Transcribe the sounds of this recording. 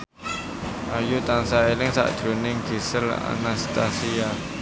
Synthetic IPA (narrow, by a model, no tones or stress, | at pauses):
ʔajut̪ansaelɪŋsa̰ʔd̪̥ɾo̤nɪŋɡ̥isəla̰nast̪asia